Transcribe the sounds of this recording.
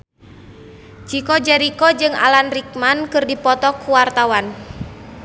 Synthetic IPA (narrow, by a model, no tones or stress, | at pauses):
d͡ʒikɔd͡ʒɛɾikɔd͡ʒɨŋa̰lanrik̚mankɨrdipɔt̪ɔkuwart̪awan